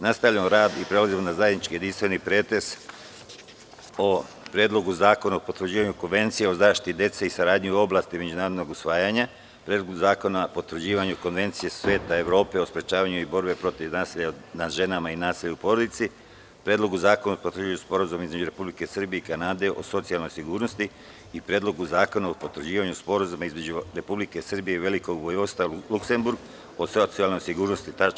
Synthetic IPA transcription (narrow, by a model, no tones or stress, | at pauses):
nast̪aʋʎamo̞ɾaːd̪ipɾe̞lazimo̞nazajed̪nit͡ʃkije̞d̪inst̪ʋe̞nipɾeːt̪e̞s | o̞ | pɾjed̪lo̞ɡuzaːko̞naopo̞t̪ʋɾrd͡ʑiːʋaɲuko̞nʋe̞nt̪sijeo̞zaːʃt̪i̥t̪id̪je̞t̪seisaɾaːd̪ɲiuo̞blaːst̪ime̞d͡ʑunaːɾod̪no̞ɡusʋaːjaɲa | pɾʲjeːd̪loɡuzaːko̞napo̞t̪ʋɾ̩d͡ʑiːʋaɲuko̞nʋe̞nt̪sije̞sʋeːt̪ae̞ʋɾo̞ːpe̞o̞spɾe̞t͡ʃaːʋaɲuibo̞ɾbe̞pɾo̞t̪iʋnaːsiʎanaʒe̞namainaːsiːʎaupo̞ɾo̞d̪it̪si | pɾed̪lo̞ɡuzaːkonopot̪ɾ̩d͡ʑiuspo̞ɾazumizme̞d͡ʑuɾe̞publike̞sr̩bijeikanaːd̪e̞ʔo̞̰so̞t̪sialno̞jsiɡuːɾno̞st̪i | ipɾeːd̪lo̞ɡuzaːko̞naopo̞t̪ɾd͡ʑiːʋaɲuspo̞ɾazumaizme̞d͡ʑuɾe̞publike̞sɨr̩bije̞ʋe̞liko̞ɡbojost̪alukse̞mbuɾɡ | osot̪sialno̞jsiɡuːɾnost̪it̪a